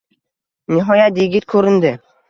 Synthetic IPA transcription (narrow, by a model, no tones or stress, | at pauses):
nʲɪɦɔjat̪iɡʲɪt̪̚kʰɵɾɪ̆nd̪ɪ